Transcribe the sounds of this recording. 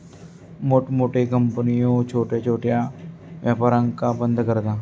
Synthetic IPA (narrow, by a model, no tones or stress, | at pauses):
moːʈmoːʈeːkəmpənijõːt͡ʃʰoːʈeːt͡ʃʰoːʈɪjaː | ʋjaːpaːɾəŋkaːbənd̪kəɾd̪aː